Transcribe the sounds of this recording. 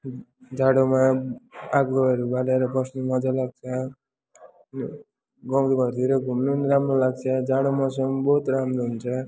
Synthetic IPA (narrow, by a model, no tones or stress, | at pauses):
d͡zaɽoma | aɡɡʌʌɾubaleɾʌbʌsnumʌd͡zalaɡ̚t͡sʰʌ | n | ɡʌmɾibʌɾd̪ʱiɾʌɡʱumnunɾamrolaɡ̚t͡sʰʌd͡zaɽomas̬ʌmbʌut̪ramɾoɦunt͡sʰʌ